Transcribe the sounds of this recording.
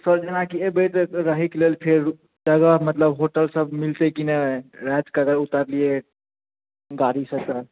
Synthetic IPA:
səɾd͡ʒenakiebət̪ɾəɦiklelpʰeɾ | d͡ʒəɡəɦmət̪ləbɦoʈəlsəbmilt̪ekinəɾɛd͡ʒkəɡəɾut̪əɾlie | ɡaɾisəkt̪ə

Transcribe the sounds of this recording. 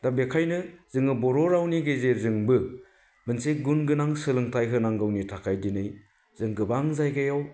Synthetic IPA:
dabekʰajnɯz̥ɯŋɯbɔɾɔɾawniɡezeɾzɯŋbɯ | mɯnseɡunɡɯnaŋsɯlɯŋtʰajkʰɯnaŋɡɯwnitʰakʰajdinɯj | zɯŋɡɯbaŋzajɡajaw

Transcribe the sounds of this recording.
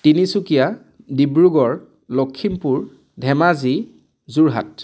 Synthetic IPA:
tinisukija | dibɹuɡɔɹ | lɔkʰːimpuɹ | dʱɛmazi | zuɹɦa̰t

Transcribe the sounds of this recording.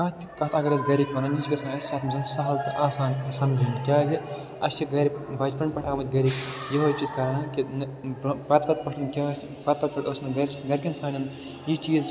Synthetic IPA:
kɐt̪ikɐt̪ɐɡɐɾɐzɡɐɾikʲʋɐnɐnid͡ʒɡɐsãnɐsʲsaːt̪mɐzɐnsɐɦɐlt̪ɨʔaːsaːnsɐmd͡ʒinkʲaːzi | ɐsʰiɡɐɾipbɐd͡ʒpɐɳʲpɐʈʰaːmɐt̪̚ʲɡɐɾikjɐɦoːt͡ʃizkɐɾɐnɐkinbpɐt̪ʋɐt̪̚pɐʈʰɐnkʲɐɐs | pɐt̪pɐt̪̚pɐʈʰʲoːsmɐɡɐɾʲist̪ɡɐɾʲkʲɐnsaːnʲɐn | jit͡ʃiːz

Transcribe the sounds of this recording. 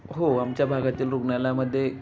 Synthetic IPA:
ɦoamt͡ɕjabʱaɡat̪iːlɾukɳjalaməd̪ʱːje

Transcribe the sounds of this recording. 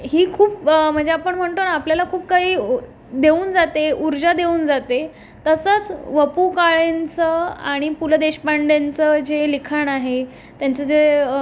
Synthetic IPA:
ɦiːkʰuːp̚m̤əɳd͡zeapəɳm̤əɳt̪onapljalakʰuːp̚kaɦiː | d̪euːnd͡zat̪euɾd͡ʑad̪euːnd͡zat̪e | t̪əsət͡sʋəpukaɭent͡səa̰ɽ̃ipuləd̪eɕpaɳɖent͡səd͡ʑelikʰanaɦe | t̪jant͡səd͡ʑe

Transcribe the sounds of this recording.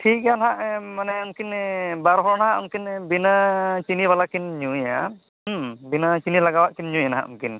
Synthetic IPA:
ʈʰik̚ɡanɦaʔmanɛunkinbaɾɦɔɾnaɦaʔunkinbinat͡ʃiniβalakinɲuja | binat͡ʃinilaɡawaʔkinɲujanaɦa̰ʔṵmkin

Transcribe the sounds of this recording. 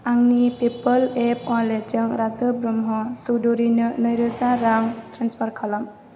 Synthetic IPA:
aŋnipipɔlepɔled͡ʒɯŋɾazɯbɾɔmɦɔsudɔɾinɯnɔjɾɯzaɾaŋtɾanspʰaɾkʰalam

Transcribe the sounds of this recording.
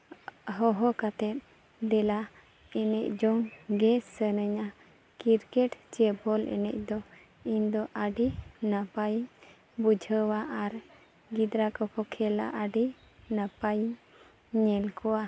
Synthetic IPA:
ɦɔɦɔkat̪ɛt̪̚ | d̪ɛla | ɛnɛ̰c̚d͡ʒɔŋɡɛsənəɲa | kiɾkɛʈt͡ʃɛbɔlʔɛ̰nɛ̰c̚ˀd̪ɔ | iɲd̪ɔʔəɖinapajiɲ | bud͡ʒʱəwaʔaɾ | ɡid̪ɾakɔkɔkʰɛla̰ʔəɖi | napajiɲː | ɛlkɔwa

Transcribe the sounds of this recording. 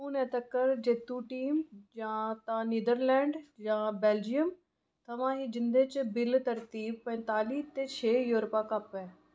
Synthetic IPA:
ũːnɛːt̪əkːəɾd͡ʒeːt̪ːũːʈiːmd͡ʒãːt̪ãːniːd̪əɾlɛːɳɖd͡ʒãːbɛːld͡ʒijəm | t̪ʰəʋãːɦiːd͡ʒɪnd̪eːt͡ʃbɪlt̪əɾt̪iːb̚pɛ̃ːnt̪aːliːt̪eːt͡ʃʰeːjuːɾpãːkəpɛː

